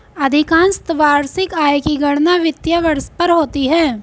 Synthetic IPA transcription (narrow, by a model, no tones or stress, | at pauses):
ɐd̪ʱɪkãːnst̪ʋaːɾsɪkaːjkiɡɐɽnaʋɪt̪jaʋəɾspɐɾɦoːt̪iɦɛː